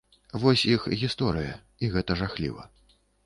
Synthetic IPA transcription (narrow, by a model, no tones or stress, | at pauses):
vɔsʲixɣʲist̪ɔɾɨjɐ̰ | iɣɛt̪ɐʐaxlʲḭvɐ̰